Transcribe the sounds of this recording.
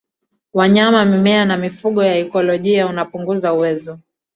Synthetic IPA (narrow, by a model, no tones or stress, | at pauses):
waɲamamimɛanamifuɠɔjaɛkɔlɔʄiaunapuŋɡuzauwɛzɔ